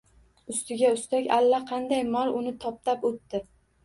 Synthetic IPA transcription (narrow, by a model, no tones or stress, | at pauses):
ʊst̪ɪɡʲaʊst̪akʲalːaqʰɑnd̪ajmɒɾʊnɪt̪ʰɒp̚t̪apot̪ːɪ